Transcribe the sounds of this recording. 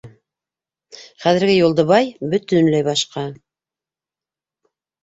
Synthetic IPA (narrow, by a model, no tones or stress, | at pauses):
χæðɘ̆ɾɡɘjulˠd̪ɤ̆βɑjbɵ̆t̪ɵnlæjbɑʃqɑ